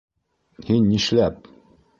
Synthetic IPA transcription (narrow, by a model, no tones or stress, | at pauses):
hinːiʃlæp̚